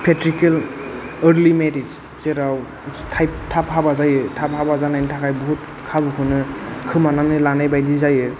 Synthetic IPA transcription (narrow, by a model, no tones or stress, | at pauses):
pʰetɾikeləɾlimeɾids | seɾaw | tʰajp̚tʰapɦabazajɯtʰap̚habazanajntʰakʰajbɔɦut̚ | kʰabɯkʰɯnɯkʰɯmananɯlanajbajdizajɯ